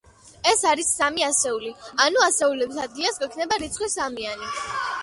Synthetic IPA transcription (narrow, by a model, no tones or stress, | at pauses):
ɛsaɾisːamiasɛulianuasɛulɛbisad̪̚ɡiasɡwɛkʰnɛbaɾit̪sʰχwisamiani